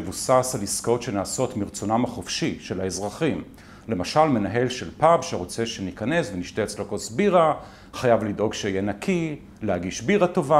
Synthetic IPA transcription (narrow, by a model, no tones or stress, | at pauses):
evusasaliskotʃe̞naːso̞tmiʁt͡sonamaχofʃiʃe̞laezʁaχim | le̞maʃalme̞naɦe̞lʃe̞lpabʃeʁot͡se̞ʃenikane̞sveniʃteet͡slokosbiʁa | χajavlido̞ɡʃeijenakʰi | lehaɡiʃbiʁato̞va